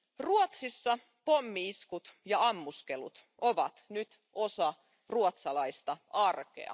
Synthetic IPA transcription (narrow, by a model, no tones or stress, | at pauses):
ruot̪sisːɑ | pomːiiskut̪jɑɑmːuskelṵt̪ʔo̞ʋɑt̪nyt̪ | o̞sɑ | ruot̪sɑlɑist̪ɑɑrkḛɑ̰